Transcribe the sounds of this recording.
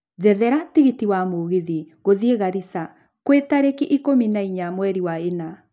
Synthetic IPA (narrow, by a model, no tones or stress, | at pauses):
d͡ʑɛðɛɾatiɣitiwamoɣiðiɣoðieɣaɾisa | kwetaɾekiʔikominaiɲamwɛɾiwaena